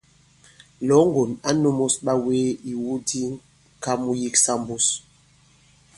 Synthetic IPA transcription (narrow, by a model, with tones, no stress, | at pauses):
lɔ˨˦ŋɡo˨na˦nu˦mo˦sɓa˦weː˦i˨wu˦di˦ŋ | ka˦mu˦ji˦ksa˦mbu˦s